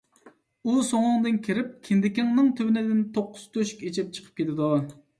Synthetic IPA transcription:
usoŋʊŋd̪ɨnkʲʰiɾɪp̚kʲʰind̪ɪkʲɪŋnɨŋt̪ʰyvɪnɪd̪ɪnt̪ʰoqːʊz̥t̪ʰøʃy̥kʲet͡ʃʰɪp̚t͡ʃʰə̥qʰə̥p̚kʲet̪ʰɪd̪u

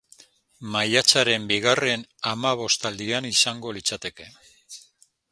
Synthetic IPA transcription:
majat͡saɾe̞mbiɣare̞namaβ̞o̞st̪ald̪ianisaŋɡo̞lit͡sat̪e̞ke̞

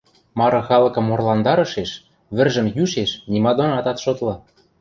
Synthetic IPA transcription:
mɑɾɤ̆xɑlɤ̆kɤ̆morlɑnd̪ɑɾɤ̆ʃeʃ | βɘ̆rʒə̆mjyʃeʃnimɑd̪onɑt̪ɑt̪ʃot̪lɤ̆

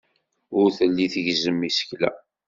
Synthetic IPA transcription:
ʊɾθəlːiθəʝzəmːisə̥çlæ̰

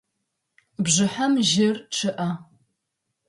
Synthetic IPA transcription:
bʒɨħamʒɪrʈ͡ʂʰɨʔɐ

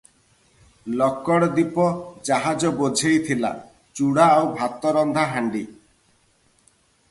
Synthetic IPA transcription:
lɔkːɔɽɔd̪ipɔd͡ʒaɦad͡ʒɔbod͡ʒʱejt̪ʰila̰ | t͡ʃuɽaawbʱat̪ɔɾɔnd̪ʱaɦaɳɖi

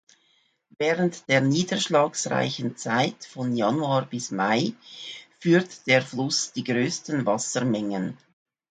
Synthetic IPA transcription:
vɛːʁəntd̥eːɐniːdəʃlɑːksʁa̰ɪçənt͡saɪtfɔnjanuaːbɪsmaɪfyːtd̥eːʁflʊsd̥iːɡʁøːstənvasəmɛŋən

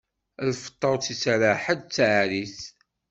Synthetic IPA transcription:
æðfə̥t̪ˤːəɾˤt͡sisɾaħəd̪t͡sːaʕɾiθ

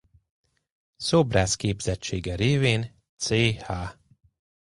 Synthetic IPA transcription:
sobraːskeːbzɛt͡ʃːeːɡɛɾeːveːn | t̪seːhaː

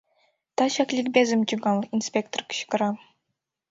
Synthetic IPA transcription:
t̪ɑɕɑklʲikbʲezɘmt͡ɕiɡɑlˠinsʲpʲek̚t̪orkʲi̥ɕkɤ̆ɾɑ

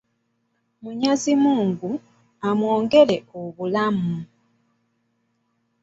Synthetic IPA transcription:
muɲazimuːŋɡu | amwoːŋɡe̞le̞oβulamu

